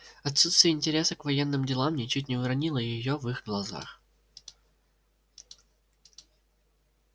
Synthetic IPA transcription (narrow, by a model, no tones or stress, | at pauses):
ɐt̪sut̪st̪vʲɪjəɪnʲtʲɪɾʲe̞səkvɐjenːɨmdʲɪlˠamnʲɪt͡ɕut̬̚ʲnʲɪvʊɾɐnʲilˠəjɪjovɨxɡlˠɐza̰x